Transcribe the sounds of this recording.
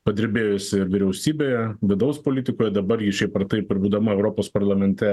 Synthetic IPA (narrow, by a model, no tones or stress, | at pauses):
pɐd̪ʲɪɾʲbʲeːjʊsʲɪɪɾʋʲɪɾʲɛʊsʲiːbʲeːjɛʋʲɪd̪ɐʊspoːlʲit̪ʲɪkoːjɛd̪ɐbɐɾɡʲɪʃʲɛɪpɐrt̪ɐɪpɪɾbuːd̪ɐmɐɛʊɾoːpoːspɐɾlˠɐmʲɛnʲt̪ʲɛ